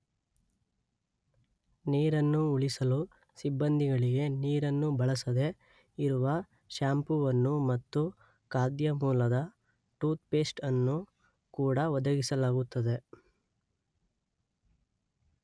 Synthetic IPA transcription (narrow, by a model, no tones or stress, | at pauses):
niːɾɐnːuːɭisɐlu | sibːɐnd̪ʱiɡɐɭiɡe̞niːɾɐnːubɐɭɐsɐd̪e̞ | iɾuʋɐ | ʃaːmpuʋɐnːumɐt̪ːu | kaːd̪jɐmuːlɐd̪ɐ | ʈuːt̪̚peːsʈɐnːu | kuːɽɐʋɔd̪ɐɡisɐlaːɡut̪ːɐd̪e̞